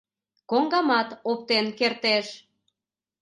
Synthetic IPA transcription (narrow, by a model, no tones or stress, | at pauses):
koŋɡɑmɑt̪op̚t̪enkert̪eʃ